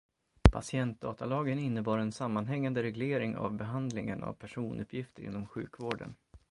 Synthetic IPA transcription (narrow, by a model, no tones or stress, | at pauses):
pʰa̰sɪɛnt̪̚d̪ɑːt̪alɑːɡənɪnːəbɑːɾɛnsamːanɦɛŋːand̪əɾɛɡleːɾɪŋa̰vbɛɦand̪lɪŋəna̰vpʰæʂuːnʔɵ̰pʰjɪft̪əɾɪ̰nːɔmɧʉ̟ːkvoːɖə̰n